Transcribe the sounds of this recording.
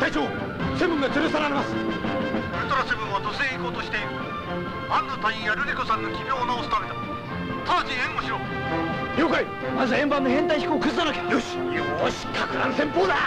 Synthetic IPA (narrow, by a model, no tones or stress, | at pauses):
t̪ajt͡ɕoː | se̞mbɯ̟̃ŋɡat̪ɨɾɯsaɾaɾe̞masɨ̥ | oɾek̪aɾasembɯ̟̃ɰ̃at̪oseikoːt̪oɕi̥t̪e̞iɾɯ | ãnd̪ot̪aĩjaɾɯɾʲikosãnːokʲibʲjo̞ːnaosɨ̥t̪amet̪a | t̪ʰaːd͡ʑiẽŋɡoɕiɾo | joːkai | azaẽ̞mbãnːohẽ̞nt̪aiçi̥koːkɯzɨd̪anakʲejoɕjoɕi̥kʰakɯɾa̰nsẽ̞mpoːd̪a